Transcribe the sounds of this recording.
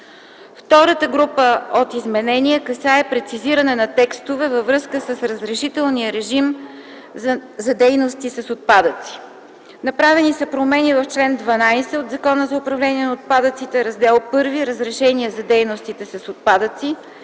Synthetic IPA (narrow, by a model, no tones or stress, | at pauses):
ft̪ɔɾət̪əɡɾupəot̪izmɛnɛniɛkɐsaɛpɾɛt̪siziɾənɛnɐt̪ɛkst̪ovɛvɐvɾɤskəsəsɾəzɾɛʃit̪ɛlˠniəɾɛʒim | zɐd̪ɛjnost̪isɐsot̪̚pad̪ət̪si̥ | nɐpɾavɛnisɐpɾomɛnivɐft͡ʃlɛnd̪vɐnajsɛod̪zɐkɔnəzɐʊpɾɐvlɛniɛnɐot̪̚pad̪ət̪sit̪ɛɾɐzd̪ɛlˠpɤɾviɾəzɾɛʃɛniəzɐd̪ɛjnost̪it̪ɛsɐsot̪̚pad̪ət̪si